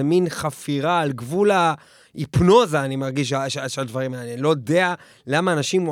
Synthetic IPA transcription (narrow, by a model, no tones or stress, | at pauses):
eminχafiʁaːlɡvula | ipno̞zaːnimaʁɡiʃ̬aʃʃead̪vaʁimanilo̞jodea | lamaːnaʃim